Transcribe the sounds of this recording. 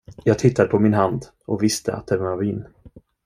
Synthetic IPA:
jɑːɡ̚t̪ʰɪt̪ʰːad̪əpʰɔmɪnɦand̪ | ɔkvɪst̪ʰə̰a̰t̪̚d̪ɛvanavɪnː

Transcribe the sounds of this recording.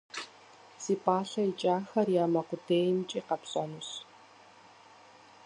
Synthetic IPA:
siːpʼaːɬɐit͡ʃʼaːxɐrjaːmɐqʷʊdeːjmt͡ʃʼiːqɐpsʼɔnus

